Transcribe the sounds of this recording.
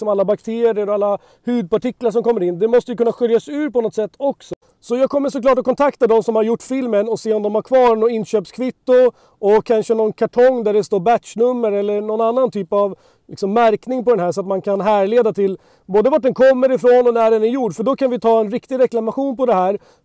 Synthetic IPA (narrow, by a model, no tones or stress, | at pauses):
sɔmalːabak̚t̪ʰeːɾɪəɾɔalːa | hʉ̟ːd̪̚pʰaʈɪklaʂ̬ɔmkɔmːəɾɪnːd̪ɛmɔst̪əjəkʰɵnːaɧʏɾjasʉ̟ːɾpɔnɔt̪sɛt̪ːɔksɔ | sɔjɑːɡ̚kʰɔmːəʂɔklɑːʈ̬ɔkʰɔnt̪ʰakt̪ad̪ɔmsɔmhaɾjʊʈːfɪlmənɔseːɔmd̪ɔmhaɾkʰvɑːnɔɪnɕøːpskʰvɪt̪ːʊ | ɔkʰːanʂənɔnkʰaʈʰɔŋːd̪æɖɛst̪oːɾbæt̪ʂnɵmːəɾɛlːəɳɔnanːant̪ʰyːpav | lʔɪksɔmːæɾknɪŋpɔd̪ɛnɦæːʂɔat̪mankʰanɦæːɾɭeːd̪at̪ʰɪl | boːd̪əvaʈ̚ɖ̪ɛnkʰɔmːəɾɪfɾoːnɔnæɖɛnæɾjuɖfœɖɔkʰanvɪt̪ʰɑːɛnɾɪkt̪ɪɡɾɛklamaɧuːnpɔd̪ɛɦæːɾ